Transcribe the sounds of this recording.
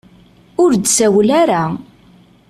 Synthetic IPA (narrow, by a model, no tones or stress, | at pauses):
ʊɾd̪sæwlaɾa